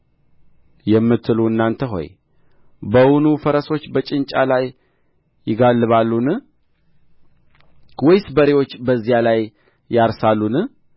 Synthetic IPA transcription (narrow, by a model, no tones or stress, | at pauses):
jɛmːɨt̪ʰːɨluɨnːant̪ʰəɦo̞̰j | bəwunufəɾəso̞t͡ʃːbət͡ʃʼɪnt͡ʃʼalajː | ɪɡalːɨβalːunɨ | wɔjsbəɾewo̞t͡ʃːbəzːijalajː | aɾsalːunɨ